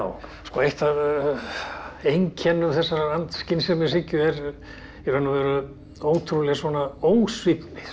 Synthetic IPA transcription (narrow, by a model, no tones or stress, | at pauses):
wskɔejht̪að | ejŋcʰɛnːʏmθɛsːaɾaant̪scɪnsɛmɛsɪcʏɛɾ | ɛvɛnavɛɾʏ | oːwt̪ʰɾulɛɣasvɔnaoːwsvipnɪθ